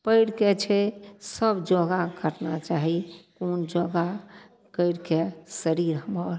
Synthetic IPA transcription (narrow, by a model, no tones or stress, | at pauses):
pəɪɽket͡ʃʰɛsəbd͡ʒɔɡakəɾnat͡ʃaɦikond͡ʒɔɡa | kəɪɽkesəɾiɾɦəməɾ